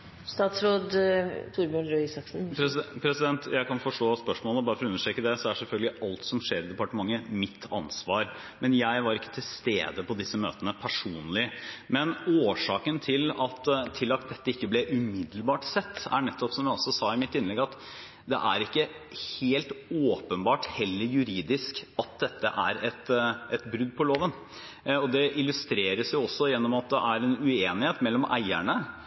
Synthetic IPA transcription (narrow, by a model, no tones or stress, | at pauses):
st̪ɑːt̪sɾoːd̪t̪ʰuɾbjʉɳɾœsɑksn̩pɾpʰɾɛsɪd̪ɛnt̪ʰjæɪkɑnfɔʂʈoːspœʂmoːləbɑːɾəfɔɾɔʉnːəʂʈɾɛːkːəd̪ɛsɔæʂɛlfœlɡəlɪʔɑlt̪sɔmʂeːɾɪd̪ɛpɑʈəmɑŋːəmɪt̪ʰːɑ̰nsʋɑːɾ | mɛnjæɪʋɑɾɪkːə̥t̪ʰɪlst̪ḛːd̪əpʰɔd̪ɪsːəmø̰ːt̪ənəpʰæʂuːnlɪmɛnoːʂɑːkənt̪ʰɪlɑt̪t̪ʰːɪlːɑt̪̚d̪ɛt̪ːəɪkːəblɛʔʉmɪd̪l̩bɑːʈsɛt̪ːæ̰ɳɛt̪ːɔpsɔmjæɔsɔsɑːɪmɪt̪ːɪnlɛɡɑt̪ | d̪ɛ̰ʔæɾɪkːə | heːlt̪oːpənbɑːʈhɛlːəɾjʉɾiːd̪ɪskɑt̪̚d̪ɛt̪ːəʔæ̰ɾɛt̪ʔɛt̪bɾʉd̪ːpʰɔloːʋən | ɔd̪ɛʔɪlʉst̪ɾeːɾəsjʊɔsːɔjɛnːɔmɑt̪̚d̪ɛʔæɾɛnʉeːnɪheːt̪mɛlːɔmʔæ̰ɪæɳə